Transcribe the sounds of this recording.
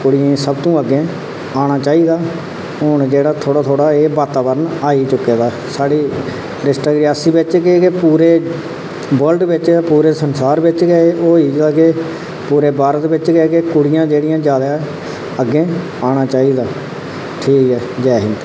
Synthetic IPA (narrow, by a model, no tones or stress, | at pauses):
kʊɽɪẽːsəbt̪õːəɡːẽː | aːɽ̃aːt͡ʃaːiːd̪aː | ɦʊnd͡ʒeːɽaːt̪ʰoːɽaːt̪ʰoːɽaːeːʋaːt̪aːbəɾənaːiːt͡ʃʊkːeːd̪aː | saːɽiː | ɾɪsʈaːɡɾɪaːsiːbɪt͡ʃkeːkepuːɾeː | bəlɖʋɪt͡ʃpuːɾeːsənsaːɾʋɪt͡ʃɡəeoːiːaːɡeː | puːɾeːbaːɾət̪ʋɪt͡ʃɡeːkekʊɽɪjãːd͡ʒeːɽɪjãːd͡ʒaːd̪a | əɡːẽː | aːɽ̃aːt͡ʃaːiːd̪aː | ʈʰiːkɦɛːd͡ʒɛːɦɪnt̪ː